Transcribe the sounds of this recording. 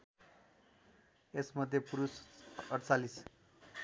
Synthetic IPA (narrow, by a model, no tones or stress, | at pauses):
esmʌd̪ʱːjepuɾusʌɽt͡salis